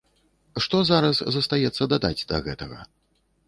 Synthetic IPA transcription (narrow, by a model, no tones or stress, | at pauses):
ʂt̪ɔzaɾɐszɐst̪ajɛt̪sːɐd̪ad̪ad͡zʲd̪ɐ̰ɣɛt̪ɐɣɐ̰